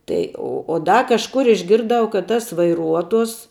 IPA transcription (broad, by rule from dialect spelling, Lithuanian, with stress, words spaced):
ˈtɐɪ oː oː ˈdɐ kɐʃˈkʊr ɪʒʲˈɡʲɪrˈdɐʊ kɐt ˈtɐs ʋɐɪˈruɔtoːs